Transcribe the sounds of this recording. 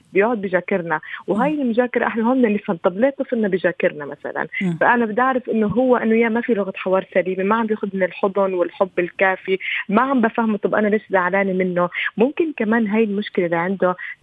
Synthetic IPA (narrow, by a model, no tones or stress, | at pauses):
bjʊʕʊd̪̚bɪʒaːkɪɾnawɦaːjːɪlmʊʒaːkɑɾˤɑʔaħnaɦʊmːalɪsant̪ˤɑbleːt̪ːˤɨfɪnːabɪʒaːkɪɾnamasa̰la̰nfaʔanabɪd̪ʔaʕɾɪfʔɪnːʊɦʊwːaʔɪnːʊjaːmafilʊɣat̪ħɑwɑːɾˤsaliːmemaʕambjeːxʊd̪mɪnɪlħʊd̪ˤʊnwɪlħʊbːɪlkaːfimaʕambafahmut̪ˤɑbːʔa̰naleːʃzaʕlaːnimɪnːomʊmkɪnkamaːnɦaːjɪlmʊʃkɪlalːiʕɪnd̪ʊ